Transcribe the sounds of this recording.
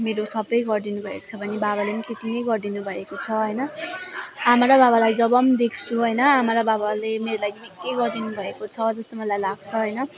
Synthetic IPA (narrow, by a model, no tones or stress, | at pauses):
meɾosʌbʌjɡʌrd̪inubʱʌḛko̥t͡sʰʌbʱʌnibabalemʌt̪et̪inejɡʌrdinubʱʌekot͡sʰʌɦʌjnʌ | amaɾabaβalajd͡zʌbʌmd̪ekʰt͡sʰuɦʌjnʌamaɾababalemeɾolajmikːejɡʌrd̪inubʱʌekot͡sʰʌd͡zʌst̪omʌlajlaɡ̚t͡sʰʌɦʌjnʌ